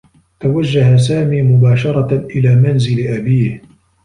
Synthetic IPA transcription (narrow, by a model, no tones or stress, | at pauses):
t̪awad͡ʒːaɦas̬aːmiːmʊbaːʃɑɾˤɑʔɪlaːmanzɪlʔabiːh